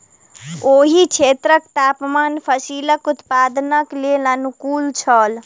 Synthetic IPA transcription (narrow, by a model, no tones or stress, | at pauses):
oɦit͡ʃʰet̪ɾəkt̪apmanpʰəsiləkut̪pad̪nəklelənukult͡ʃʰəl